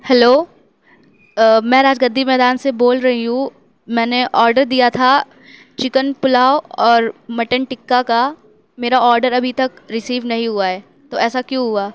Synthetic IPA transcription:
hɛloː | mɛ̃ːɾaːd͡ʒɡəd̪ʱːimɛːd̪aːnseboːlɾɐɦiɦũ | mɛ̃ːneʔɔːɾɖəɾd̪ijat̪ʰa | t͡ʃɪkənpʊlaːoɔːɾmɐʈənʈɪkːaka | meːɾaɔːɾɖəɾɐbʱit̪ɐkɾɪsiːʋnɐɦĩɦuaɦɛː | t̪oɛːsakjũɦuaː

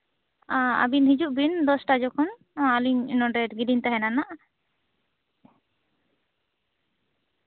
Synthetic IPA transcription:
aa̰binɦid͡ʒuʔbind̪ɔsʈad͡ʒɔkʰɔn | aliɲnɔɖɛɾɡiɖint̪aɦɛnanaʔ

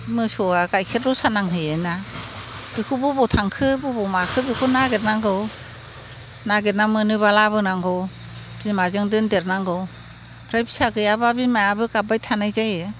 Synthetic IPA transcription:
mɯsɔaɡajkʰet̚ɾɔsanaŋhɯjena | b̥ikʰubɯbɔtʰaŋkʰɯbɯbɔmakʰɯbikʰunaɡet̚naŋɡɯw | naɡet̚namɯnɯβalaβɯnaŋɡɯw | bimazɯŋdɯndeɾnaŋɡɯw | ɾajbi̥saɡɯjababimajabɯɡabajtʰanajzajɯ

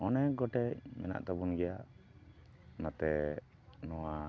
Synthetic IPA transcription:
ɔnɛɡɔʈɛc̚mɛna̰ʔt̪abunɡɛjaʔ | nat̪ɛ | nɔwa

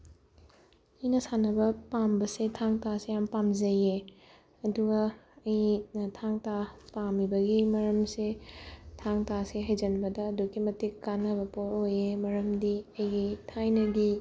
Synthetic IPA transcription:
jnɐsanɐbɐpambɐsetʰaŋtasejampamzɐje | ɐduɡɐːjitʰaŋtapamibɐɡimɐɾɐmsetʰaŋtaseɦɐjzɐnbɐdɐːdukːimɐtikːanɐbɐpoɾojemɐɾɐmdiɐjɡitʰajnɐɡi

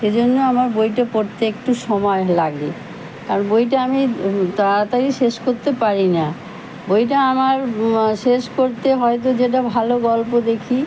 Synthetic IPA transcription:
ʃed͡ʑonːoamaɾbojʈapoɾt̪eekʈuʃɔmɔelaɡe | kaɾonbojʈ̬aamit̪aat̪aɾiʃeʃkoɾt̪epaɾina | bojʈaamaɾʃeʃkoɾt̪eɦɔet̪̬od͡ʑeʈ̬abʱaloɡɔlpod̪ekʰi

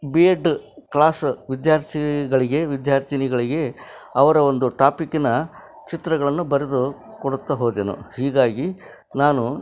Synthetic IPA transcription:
bieɖklaːsʋid̪jaːɾt̪ʰiɡɐɭiɡe̞ʋid̪jaːɾt̪ʰiniɡɐɭiɡe̞ɐʋɐɾɐo̞nd̪uʈaːpikːinɐ | t͡ʃit̪ɾɐɡɐɭɐnːubɐɾed̪ukoɽut̪ːɐɦoːd̪enṵhiːɡaːɡi | naːnu

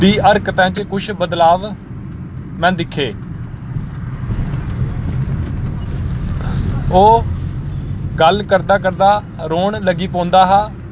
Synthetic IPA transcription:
d̪iːʔəɾkət̪ãːt͡ʃkʊʃʰbəd̪laːʋ | mɛ̃ːd̪ɪkʰːeː | oː | ɡəlkəɾd̪aːkəɾd̪aː | ɾoːɳləɡiːpɔ̃ːnd̪aːɦaː

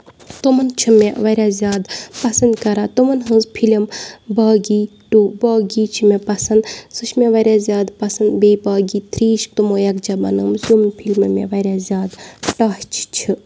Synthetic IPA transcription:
t̪omɐnt͡ʃʰɨmeʋɐɾʲjaːzʲjaːd̪pɐsɐnd̪kɐɾaːt̪umɐnɦɨ̃nzpʰilimbaːɡiːʈubaːɡiːt͡ʃʰimepɐsɐnd̪sɨʃʰmeʋɐɾʲaːzʲjaːd̪pɐsɐnd̪beːbaːɡiːt̪ʰɾiːʃk̚t̪umoːjɐk̚d͡ʒabɐ̰nɨmzumnpʰilmmḛʋɐɾʲjaːzʲjaːd̪ʈaːht͡ʃʰt͡ʃʰi

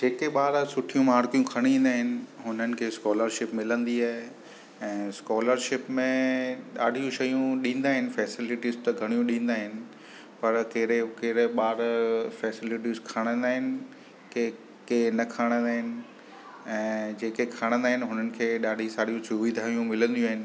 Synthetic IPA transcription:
d͡ʑeːkeɓaːɾsʊʈʰijũmaːɾkijũkʰɐɽ̃ĩːn̆d̪aːɦɪnɪ̆ɦʊnənɪ̆kʰeːskɔːləɾʃɪpmɪlə̃nd̪iaːɦe | ɛ̃ːskɔːləɾʃɪpmẽɗaːɖʱijũʃɐjũɗĩːn̆d̪aːɦɪnɪ̆fɛːsɪlɪʈizt̪ɐɡʱɐɽ̃ijũɗĩːn̆d̪aːɦɪnɪ̆ | pɐɾkeɾekeːɾeɓaːɾfɛːsɪlɪʈizkʰaːɽ̃ə̃nd̪aːɦɪnɪ̆ | ke | kenɐkʰaːɽ̃ə̃nd̪aːɦɪnɪ̆ | ɛ̃ːd͡ʑeːkekʰaːɽ̃ə̃nd̪aːɦɪnɪ̆ɦʊnənɪ̆kʰeːɗaːɖʱisaːɽijũsʊʋid̪ʱaːjũmɪlə̃nd̪ijũaːɦɪnɪ̆

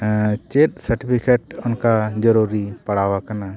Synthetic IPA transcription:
t͡ʃet̪̚səɾʈipʰikeʈʊnkad͡ʒəɾuɾipɐɽawakana

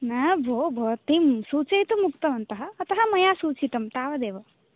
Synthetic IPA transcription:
nɐbʱobʱot̪imsuːt͡ʃɐjt̪umukt̪ɐʋʱɐnt̪ɐɦɐːt̪ɐɦɐmɐjãsuːt͡ʃit̪ɐmt̪aːʋɐd̪eːʋɐ

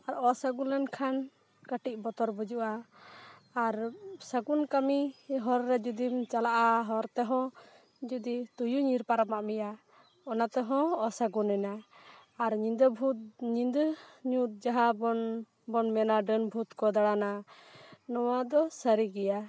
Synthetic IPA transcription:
aɾɔsaɡunlɛnkʰan | kəʈiʔ̚bɔt̪ɔɾbud͡ʒuʔaː | ɾsaɡunkamiɦɔɾːɛd͡ʒud̪imt͡ʃalaʔaɦɔɾt̪ɛɦɔ̃ | d͡ʒud̪it̪ujuɲiɾpaɾamaʔmija | ɔnat̪ɛɦɔ̃ɔsaɡunɛnaː | ɾɲid̪ɔbʱut̪̚ɲind̪əɲut̪̚d͡ʒaɦabɔn | bɔnmɛnaɖənbʱut̪kɔd̪aɽana | nɔwad̪ɔsəɾiɡɛja

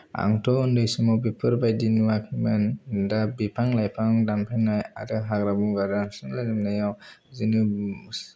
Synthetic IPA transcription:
a̰ŋtʰɔundɯjsɯmɔbipʰɯɾbajdinuwakʰɯmɯndabipʰaŋlajpʰaŋdampʰanɔja̰dɯɦaɡɾabuɡadamsɯŋlazɯmnajawzinɯ

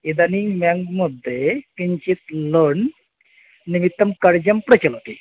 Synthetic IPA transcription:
id̪animjaŋɡməd̪ʱːekiɲt͡ɕit̪ləɳ | niʋit̪ːəmkəɽd͡ʑəmpɾət͡ɕəlɦot̪i

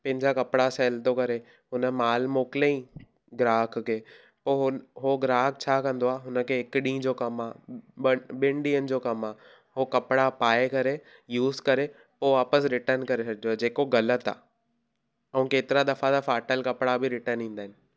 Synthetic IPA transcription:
pɐ̃ɦɪ̃ɲd͡ʑakɐpɽasɛːlt̪okɐɾe | ɦʊnə̆maːlmoːkɪlẽĩ | ɡɾaːkʰkʰeː | poːɦʊɦoɡɾaːk̚ʰt͡ɕʰaːkɐ̃nd̪oaːɦʊnə̆kʰeːɦɪkɗĩːd͡ʑoːkɐmaː | ɓɪ̃ɳɖiːənɪ̆d͡ʑoːkɐmaː | ɦokɐpɪɽapaːekɐɾe | juːzkɐɾe | poːʋaːpəsɾɪʈəɾnkɐɾesɐɡʱɪd͡ʑoaːd͡ʑeːkoɡɐlət̪a̰ː | ɐũːkeːt̪ɪɾad̪ɐfat̪afaːʈəlkɐpɽabʱɪɾɪʈəɾnɦĩːn̆d̪aːɦɪnɪ̆

